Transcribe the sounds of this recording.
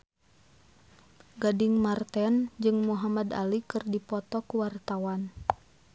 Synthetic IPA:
ɡadiŋmart̪ɛnd͡ʒɨŋmuɦamad̪a̰likɨrdipɔt̪ɔkuwart̪awan

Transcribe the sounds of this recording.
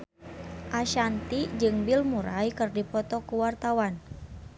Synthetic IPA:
ʔaʃant̪id͡ʒɨŋbilmuɾajkɨrdipɔt̪ɔkuwart̪awan

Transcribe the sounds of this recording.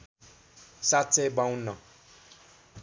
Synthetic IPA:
sat͡sebãw̃nʌ

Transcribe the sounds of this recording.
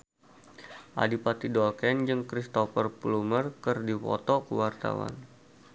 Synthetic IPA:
ʔa̰dipat̪idɔlkɛnd͡ʒɨŋkɾist̪ɔfərplumərkɨrdipɔ̰t̪ɔkəwart̪a̰wa̰n

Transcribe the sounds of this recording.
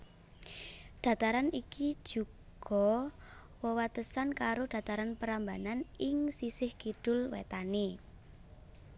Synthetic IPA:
ɖ̥ä̤t̪aɾanikid̥ʒ̥ṳɡ̥ɔ̤ | wəwat̪əsankaɾoɖ̥ä̤t̪aɾanpəɾambananɪŋsisɪhkiɖ̥ʊ̤lwḛt̪ani

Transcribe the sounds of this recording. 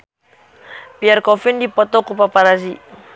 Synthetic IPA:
piarkɔfindipɔt̪ɔkupapaɾazi

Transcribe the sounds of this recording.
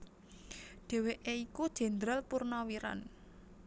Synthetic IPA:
ɖ̥e̤weʔeikud̥ʒ̥ɛ̤nd̪ɾəlpurnawiɾa̰n

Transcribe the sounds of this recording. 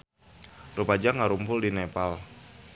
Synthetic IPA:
rupad͡ʒaŋaɾumpʊldinepal

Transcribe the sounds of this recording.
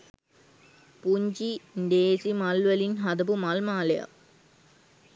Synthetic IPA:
puɲd͡ʒinɖeːsimɐlʋɐlinɦɐd̪ɐbumɐlmaːlɐja̰

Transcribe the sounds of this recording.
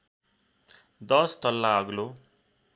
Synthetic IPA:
d̪ʌst̪ʌlːaʌɡlo

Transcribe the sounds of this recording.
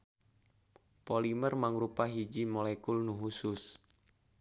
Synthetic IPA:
polimərmaŋrupaɦid͡ʒimolɛkulnuɦusʊs

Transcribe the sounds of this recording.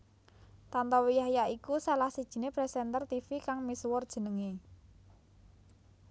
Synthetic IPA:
t̪ant̪ɔwijaɦjaikusalahsid̥ʒ̥i̤nepɾɛsɛnt̪ərt̪ifikaŋmiswɔrd̥ʒ̥ə̤nəŋe

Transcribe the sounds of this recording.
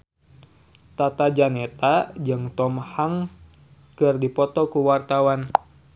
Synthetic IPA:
t̪at̪ad͡ʒanet̪ad͡ʒɨŋt̪ɔmhaŋ | kɨrdipɔt̪ɔkuwart̪awan

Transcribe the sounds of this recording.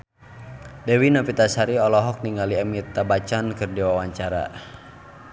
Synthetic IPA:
dɛwinapit̪asaɾiɔlɔɦɔk̚niŋaliamit̪abat͡ʃankɨrdiwawaɲt͡ʃaɾa̰

